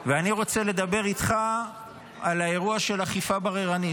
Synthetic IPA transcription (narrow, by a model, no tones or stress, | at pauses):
veaniʁo̞t͡se̞le̞d̪abe̞ʁit̪χa | alae̞ʁuaʃelaχifabaʁeʁani